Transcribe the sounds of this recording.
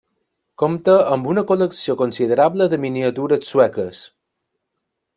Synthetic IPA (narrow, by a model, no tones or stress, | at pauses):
komt̪əəmbunəkoləksiokonsið̞əɾabləðəminiət̪uɾəsuɛkəs